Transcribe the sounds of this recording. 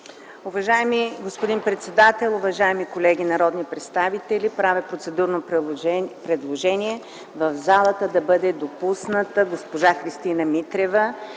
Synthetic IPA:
ʊvɐʒaɛmiɡospod̪inpɾɛt̪sɛd̪at̪ɛlˠʊvɐʒaɛmikolɛɡʲinɐɾɔd̪nipɾɛt̪st̪avit̪ɛlʲipɾavɛpɾot̪sɛd̪uɾnoppɾɛd̪lˠoʒɛniɛ | vɐvzalˠət̪əd̪ɐbɤd̪ɛd̪opusnət̪əɡospoʒaxɾist̪inəmit̪ɾɛvə

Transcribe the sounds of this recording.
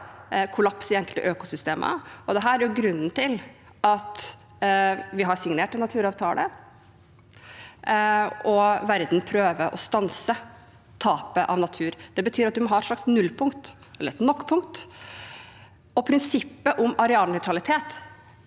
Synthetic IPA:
kʰʊlɑpsɪɛŋkəlt̪ə̰ʔøːkʊsʏst̪eːmʔə̰ɔd̪ɛɦæːɾɾæɾjʊɡɾʉnːn̩t̪ʰɪl | ɑt̪ | ʋɪɦɑɾsɪŋneːʈɛnɑt̪ʰʉːɾɑːʋt̪ʰɑːlə̰ | ɔʋæɾd̪npʰɾøːʋəʔɔst̪ɑnsə | t̪ʰɑːpəʔɑ̰ʋnɑt̪ʰʉːɾd̪̥ɛbət̪ʰyːɾɑt̪̚d̪ʉmɔɦɑɾɛt̪ʂɭɑksnʉlːpʰʊŋkt̪ | ɛlːəɾɛt̪nɔkːpʰʊŋkt̪ | ɔpʰɾɪnsɪpːəʔʊmɑɾɛɑːlnœʏt̪ʰɾɑlɪt̪ʰeːt̪

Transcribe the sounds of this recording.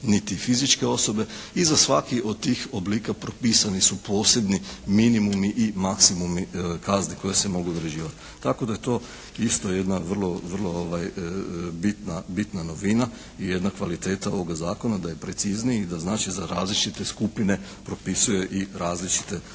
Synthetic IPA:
nit̪ifizit͡ʃke̞o̞so̞be̞izasʋakiʔo̞d̪̚t̪ːiːxobliːkapɾo̞piːsanisupo̞ːse̞bniminimumiʔimaksimumikazniko̞jese̞mo̞ɡuod̪ɾeʒiːʋat̪ | t̪ako̞d̪aje̞t̪o̞ː | ist̪o̞je̞d̪naʋər̩lˠo̞ʋər̩lˠo̞oʋaj | bit̪nabit̪nano̞ʋina | ije̞d̪nakʋalit̪e̞ːt̪aoʋoɡazaːko̞nad̪aje̞pɾet̪siznijid̪aznaːt͡ʃizaɾa̰ːzlit͡ʃit̪e̞skupine̞ | pɾo̞pisuje̞ʔiɾaːzlit͡ʃi̥t̪e̞

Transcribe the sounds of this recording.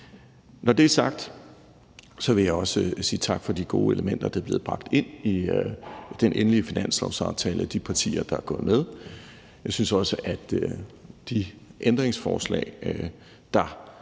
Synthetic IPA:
nɒd̥e̝æɐsɑ̈ɡ̥̚d̥ | sɒ̽ʋe̝jɑ̈ɪɒ̽səsiːt͡sʰɑ̈ɡ̥fɒ̽d̥iɡ̥o̝ːe̝ləmen̰d̥ɐd̥eɐb̥le̝ːð̩ˠb̥ʁɑ̈ɡ̥̚d̥e̝n̰i | d̥enʔenəliəfinæn̰slɒʊsɑ̈ʊt͡sʰɛːləd̥ipʰɑ̈t͡sʰḭːɐd̥ɑ̈æɐɡ̥ɔ̽ːð̞̩ˠmeð̞ˠ | jɑ̈ɪsynsɒ̽səʔæd̥ | d̥iʔend̥ʁeŋsfɒ̰ːslɛ̰ɪ | d̥ɑ̈

